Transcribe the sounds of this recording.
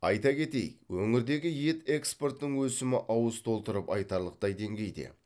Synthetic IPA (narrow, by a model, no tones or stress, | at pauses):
ɑjt̪ɑkʲʰe̞t̪e̞̰jwɵŋɪɾd̪e̞ɡʲɪje̞t̪e̞kspo̞rt̪ːɪŋwɵsɪmɪʔɑwəst̪ʰo̞lˠt̪əɾəpɑjt̪ɑɾlˠəq̚t̪ɑjd̪e̞ŋɡʲe̞jd̪ḛ